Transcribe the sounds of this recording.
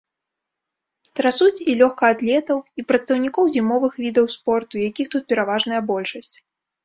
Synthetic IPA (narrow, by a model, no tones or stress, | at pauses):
t̪ɾasut͡sʲilʲɔxkɐːd̪lʲɛt̪ɐwipɾɐt̪st̪ɐwnʲikɔwzʲimɔvɨxvʲid̪ɐwspɔrt̪ujakʲixt̪ut̪̚pʲɛɾavaʐnɐjɐbɔlʲʂɐsʲt͡sʲ